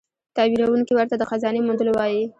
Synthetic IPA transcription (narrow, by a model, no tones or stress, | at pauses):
t̪ɑwiɾawuŋkiwaɾt̪ad̪əxazɑnemund̪əlowɑji